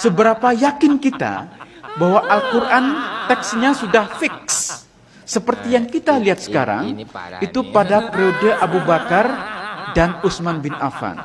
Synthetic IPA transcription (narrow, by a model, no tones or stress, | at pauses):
səbəɾapajakɪnkit̪a̰bawaʔalkuɾʔant̪ɛksɲasudahfɪksː | əpərt̪ijaŋkit̪aliɦat̪̚sə̥kaɾa̰ŋit̪upadapɾeodəʔabubakardanusmanbɪna̰fa̰n